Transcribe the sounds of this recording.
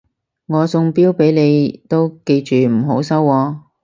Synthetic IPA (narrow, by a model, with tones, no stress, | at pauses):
ŋɔː˨˧sʊ˧ŋpiː˥wpe˨˥jne˨˧jt̪o˥wke˧jt͡ʃyː˨m̩˨˩ɦo˨˥wsɐ˥wːɔː˧